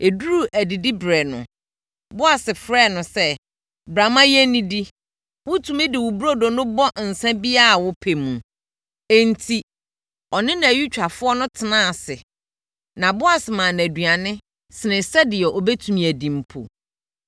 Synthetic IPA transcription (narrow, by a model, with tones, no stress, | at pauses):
e˨du˦ɾu˦˨ʔæ˨di˨di˦bɾɛ˨nʊ̰̃˨ | bʊ˦a˨sɪ˨fɾɛ˦˨nʊ̃˨sɛ˦ | bɾa˨mã˦jɛ˦nĩ˦di˦ | wʊ̃˦tʰũ˨mɪ̃˦dɪ˨wʊ˨bu˦ɾo˦do˨nʊ̃˦bɔ˦n̩˨sɛ̃˦bi˦a˦a˨wʊ˦pʰe˨mũ˨ | ɛ˦n˦tʰi˨ | ɔ˨nɪ̃˦nã˨æ˨ɥi˦t͡ɕᶣa˨fʊ˦ɔ˦nʊ̃˦tʰɪ˨nã˦a˨sɪ̰˨ | nã˨bʊ˦a˨sɪ˨mã˨n˨æ˨dɥa˨nɪ̃˦ | sɪ˨nɪ̃˨sɛ˦dɪ˨ɛ˨ʔo˨be˦tʰũ˨mĩ˨æ˨dĩ˨m̩˨pʰo̰˨